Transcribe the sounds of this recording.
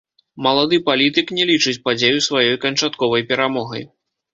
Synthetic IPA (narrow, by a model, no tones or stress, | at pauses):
mɐlˠad̪ɨpalʲit̪ɨknʲɛlʲit͡ʂɨt͡sʲpad͡zʲejusvajɔjkɐnt͡ʂat̪kɔvɐjpʲɛɾamɔɣɐ̰j